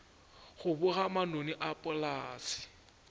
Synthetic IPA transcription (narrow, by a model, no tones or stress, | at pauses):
χʊbʊɣamanoniʔapʼʊlaːsɪ̥